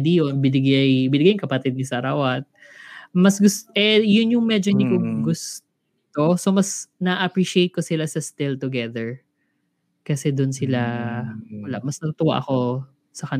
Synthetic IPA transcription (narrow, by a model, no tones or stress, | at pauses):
d̪ijonbɪnɪɡajbɪnɪɡajkɐpɐt̪ɛd̪̚nɪsɐɾawat̪̚ | mɐsɡʊst̪ʔɛjʊnjʊŋmɛd͡ʒonɪkoɡʊs | ɪt̪o̞somɐsnɐʔɐpɹiʃiejt̪̚kosɪlasɐst̪ɪlt̪ʊɡɛðɛɹ | kɐsɛd̪ʊnsɪla | wɐla̰mɐsnɐt̪ʊt̪ʊwa̰ʔɐko̞ | sɐkɐn